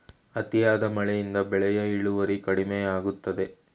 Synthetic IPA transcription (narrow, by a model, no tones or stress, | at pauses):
ɐt̪ijaːd̪ɐmɐɭɛjind̪ɐbɛɭɛjɐiɭuʋɐɾikɐɽimejɐaːɡut̪ːɐd̪e̞